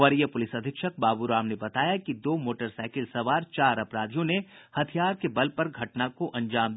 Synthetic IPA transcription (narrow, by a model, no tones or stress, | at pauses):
ʋɐɾjəpʊlɪsɐd̪ʱɪkʃək̚baːbuɾaːmnebɐt̪aːjakid̪oːmoːʈəɾsaːɪkɪlsɐʋaːɾt͡ʃaːɾɐpɾaːd̪ʱijõne | hɐt̪ʰijaːɾkebɐlpɐɾɡʱɐʈnakoʔɐ̃ɲd͡ʒaːmd̪